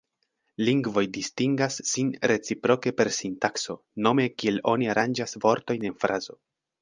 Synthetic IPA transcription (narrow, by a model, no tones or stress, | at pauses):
liŋɡvo̞jdistiŋɡasːinɾe̞t͡sipɾo̞ke̞pe̞ɾsintakso̞ | no̞me̞kie̞lo̞niaɾʔand͡ʒasvo̞ɾto̞jne̞nfɾʔazo̞